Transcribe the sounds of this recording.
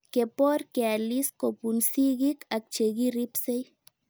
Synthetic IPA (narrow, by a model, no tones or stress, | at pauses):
kepoɾkealiskopunsiɡikʰak̚t͡ʃeɡiɾipsej